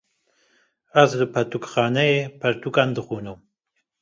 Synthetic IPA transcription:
azləpʰɐt̪ʰukχaːnɐjepʰɐɾt̪ʰukand̪ɨxuːnum

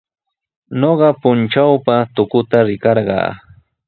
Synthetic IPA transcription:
noɢɑpʊnt͡ʃawpat̪ʊkʊt̪aɾɪkɑɾɢɑ̰ː

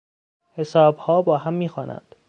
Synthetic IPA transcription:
he̞sɒːbhɒːbɒːɦæmːiːxɒːnʔæ̰nd̪̥

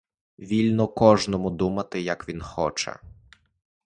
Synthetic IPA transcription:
ʋʲilʲnɔkɔʒnɔmʊd̪umɐt̪ɪjɐkʋʲinxɔt͡ʃɛ̰

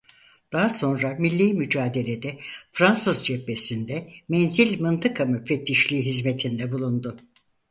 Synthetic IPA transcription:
d̪̥aɦaso̞nɾamilʲːiːmyd͡ʒaːd̪e̞lʲe̞d̪ɛfɾansɯzd͡ʒɛpːesind̪ɛmɛnzilʲmɯnt̪ʰɯkʰamyfet̪ːiʃlʲiːɦizmet̪ʰind̪ɛbulˠund̪ʊ

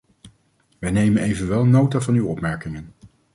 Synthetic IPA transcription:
ʋɛjnejmənejvənʋɛlˠnowtavɑnywɔpmɛɹkɪŋən

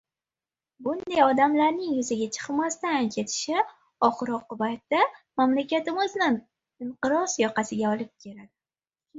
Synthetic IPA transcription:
bʊnd̪ajɒd̪amlaɾnɪŋjʊzaɡʲat͡ʃʰɨ̥qmast̪ankʲʰe̞t̪ʰɪ̥ʃɪ | ɒχɾɒqːʊbajt̪ːamamlakʲat̪ɪmʊznan | ɪɴqɨɾɒsjɒqɑsɪɡʲaɒlˠɪp̚kʲʰe̞lad̪ɪ

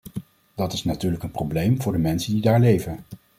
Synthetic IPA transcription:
d̥ɑtɪsnatyːɹləkənprowblejmvʊːɹdəmɛnsəndidaːɹlejvən

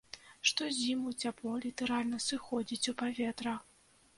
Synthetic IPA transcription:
ʂt̪ɔzʲimut͡sʲaplˠɔlʲit̪ɛɾalʲnɐsɨxɔd͡zʲit͡sʲupavʲɛt̪ɾɐ

